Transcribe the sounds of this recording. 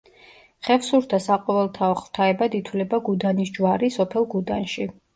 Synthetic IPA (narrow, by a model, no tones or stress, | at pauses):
χɛfsuɾd̪ʰasaqʼɔvɛlˠt̪ʰaɔχv̥t̪ʰaɛbad̪it̪ʰwlɛbaɡud̪anisd͡ʒwaɾisɔpʰɛlˠɡud̪anʃi